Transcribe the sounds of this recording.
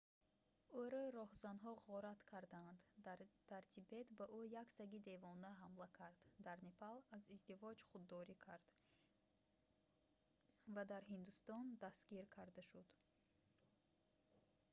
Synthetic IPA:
uɾɔɾɔhzanɦɔʁɔɾat̪kʰaɾd̪aand̪d̪̥aɾt̪ʰibe̞t̪baʔujaksaɡid̪e̞vɔnaɦamlakʰaɾd̪̥d̪aɾnepʰalazizd̪ivɔd͡ʒχud̪ːɔɾikʰaɾd̪̥ | vad̪aɾɦind̪ust̪ɔnd̪asɡiɾkʰaɾd̪aʃud̪

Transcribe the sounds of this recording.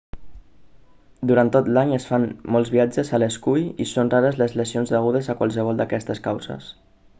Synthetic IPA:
d̪uɾant̪ːot̪laɲəsfanmɔlˠzβiad͡ʒəzələskujisonraɾəzləzləsionzðəɣuð̞əzəkwalˠsəβ̞ɔlˠd̪əkɛst̪əskawzə̰s

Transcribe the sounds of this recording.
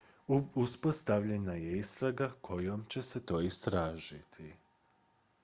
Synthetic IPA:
uspo̞st̪aʋʎe̞najeist̪ɾaɡakʰo̞jomt͡ɕe̞set̪o̞ːist̪ɾaːʒit̪ʰi

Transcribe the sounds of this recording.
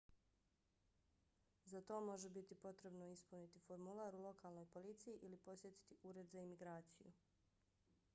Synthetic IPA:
zat̪o̞ːmo̞ʒebit̪ipo̞t̪ɾe̞bno̞ispunit̪ifo̞ɾmulˠaːɾulˠo̞kaːlˠno̞jpo̞lit̪sijiʔilipo̞sje̞t̪i̥t̪iuːɾe̞d̪zaimiɡɾaːt̪sijṵ

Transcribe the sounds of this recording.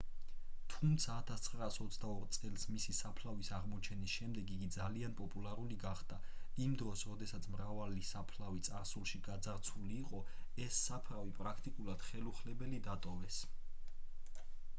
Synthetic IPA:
t̪ʰumt̪sʰaːt̪ʰast̪sʰχɾaːsɔt̪sʰd̪aɔɾt̪sʼɛlˠsmisisapʰlavisaʁmɔt͡ʃʰɛnisʃɛmd̪ɛɡiɡid̪zalianpʼɔpʼulˠaɾuliɡaχd̪̥aimd̪ɾɔsɾɔd̪ɛsat̪sʰmɾavalisapʰlavit̪sʼaɾsulˠʃiɡad̪zaɾt̪sʰuliːqʼɔɛsːapʰɾavipʼɾakʰt̪ʼikʼulˠad̪̥χɛluχlɛbɛlid̪at̪ʼɔvɛs

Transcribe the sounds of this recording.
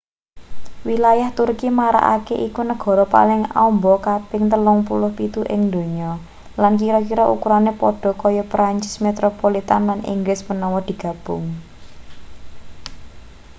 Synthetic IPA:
wilajaht̪urkimaɾa̰ʔa̰keʔikunəɡ̥ɔ̤ɾɔpa̰lɪŋa̰ɔmbɔkapɪŋt̪əlʊŋpulʊhpit̪uʔɪŋd̪o̤ɲɔ | lankiɾɔkiɾɔʔukuɾanepɔɖ̥ɔ̤kɔjɔpɾaɲt͡ʃɪ̥smet̪ɾopolit̪anlanḭŋɡlɪsmənɔwɔd̪̥i̤ɡ̥ä̤b̥ʊŋ

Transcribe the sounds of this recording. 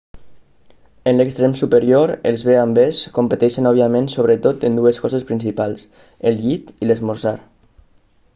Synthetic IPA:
ənləkst̪ɾemsupəɾjoɾəlˠzβeambeskompət̪ɛʃənɔβiamẽnsoβ̞ɾət̪ot̪ənd̪uəskɔzəspɾinsipalˠs | əlˠʎit̪iləzmuɾzaɾ

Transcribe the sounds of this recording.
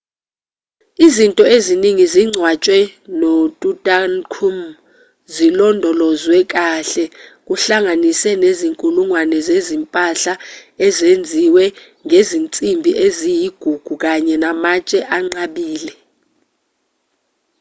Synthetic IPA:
izintʼɔeziniŋiziŋ͡ǀʱwat͡ʃʼwɛnɔtʼutʼankʰum | zilɔndʱɔlɔzwɛk̬aɬɛk̬uɬaŋanisɛneziŋkʼuluŋwanɛzezimpʼaɬaɛzend͡zʱiwɛ | ŋezint͡sʼimbʱiʔezijiɡ̥ʱuɡ̥ʱuk̬aɲɛnamat͡ʃʼɛʔaŋ͡ǀaɓiːlɛ

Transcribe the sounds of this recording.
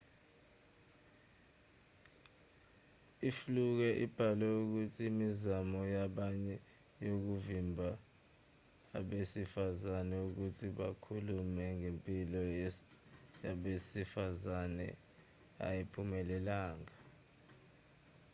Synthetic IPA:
ifluk̬ɛʔib̥ʱalɛuk̬utʰiːmizamɔjaɓaɲɛ | jok̬uvimbʱa | ɓesifazanɛuk̬utʰiɓa̰kʰulumɛŋempʼilɔ | jaɓesifazanɛ̰ | a̰jipʰumɛlɛlaːŋa

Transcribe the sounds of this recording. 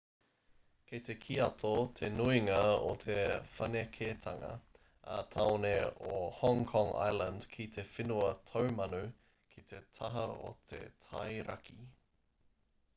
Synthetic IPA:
kʰet̪ekʰiɐt̪ʰot̪ʰenuiŋɐo̰t̪ʰefɐnekʰet̪ʰɐŋɐ̰ | a̰t̪ʰaoneohɔ̃ŋkʰɔ̃ŋa̰jlənd̥kʰit̪ʰefinuɐt̪ʰowmɐnu | kʰit̪ʰet̪ʰɐɦɐo̰t̪ʰḛt̪ʰɐ̰jɾɐ̰kʰi

